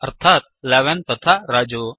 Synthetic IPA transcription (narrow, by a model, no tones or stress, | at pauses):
əɾt̪ʰaːt̪̚ | lɛʋɛnt̪ɐt̪ʰaɾaːd͡ʒoː